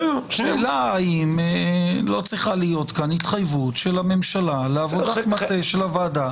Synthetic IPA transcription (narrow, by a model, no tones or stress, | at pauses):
ʃelaaimelo̞t͡sʁiχalijo̞t̪kanhit̪χajvutʃelame̞mʃalaleavod̪amaeʃelavaːd̪a